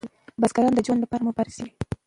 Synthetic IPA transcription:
basɡaɾɑnd̪əd͡ʒwonlapɑɾamʊpaɾasi

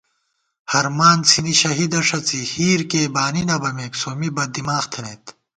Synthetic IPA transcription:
hɐɾmaːnt͡sʰiniɕɐɦid̪ɐʂɐt͡sihiːɾkeːbaːninɐbɐmeːksoːmibɐd̪imaːxt̪ʰɐnet̪

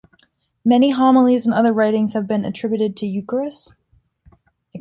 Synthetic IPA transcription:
mɛniɦɑml̩ˠiz̃n̩ʌðə˞ɹaɪɾɪ̃ŋz̥hɨvbɨ̃nɨ̰tʰɹ̥ɪbjʉɾɨd̚tʰɨjʉkə˞ɨs

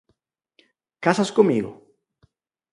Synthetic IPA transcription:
kasaskomiɣʊ̰

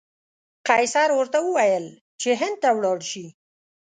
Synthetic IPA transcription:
qɑjsɑɾwəɾt̪awəwajəl | t͡ʃeɦɪnd̪̚t̪awɽɑɽʃi

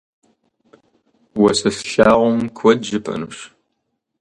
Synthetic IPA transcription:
wɐsɐsɬaːʁʷɔmkʷʰɔdʒɨpʰʼɐ̰nɨɕ

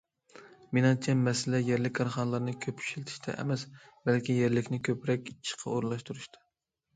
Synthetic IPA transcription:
menɨŋt͡ʃʰɛmːɛsɪlɛjɛɾlɪkʲʰːɑɾχɑnəlˠɑɾnɨkʲʰøpːy̥ʃilt̪ʰɪ̥ʃt̪ʰɛ̰ʔɛ̰mɛsbɛlkʲijeɾlɪkʲnɪkʲʰøpɾɛkʲit͡ʃʰːi̥qʰɑ̰oɾlˠɑʃt̪uɾuʃt̪ʰɨ̥

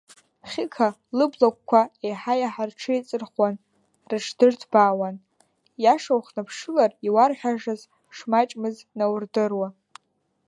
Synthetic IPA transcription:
χʲɪkʰa | lɨblak̚ʷʼkʷʰaejħajaħarʈ͡ʂʰɨit͡sʼɨrχwan | rɨʈ͡ʂʰd̥ɨrtʰb̥aːwan | jaʂawχnapʰʂɨlariwarħʷᶣaʒaz | ʂmat͡ʃʼmɨz | nawrdɨrwa

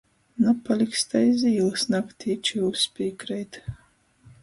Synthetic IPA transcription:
napalʲikst̪ajziːlˠɨsnakt̪ʲʰiːt͡ʃiuspʲiːkɾɛjt̪

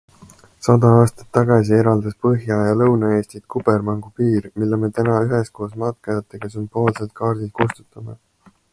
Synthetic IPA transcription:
sɑd̪ɑɑːst̪ɑ̥t̪ːɑɡɑsie̞ɾɑld̪ɑspɤɦjɑjɑlɤwnɑe̞ːst̪it̪̚kub̥ermɑŋɡ̥upiːrmilːeme̞t̪ænɑyɦesko̞ːsmɑt̪̚kɑjɑt̪ːˑeɡ̥ɑs̬ympːˑo̞ːlse̞lt̪̚kɑːrd̪̥ilkust̪u̥t̪ːˑɑme̞̰

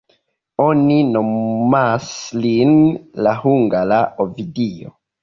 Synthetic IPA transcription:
oninomaslinlahuŋɡalaʔovidio̰

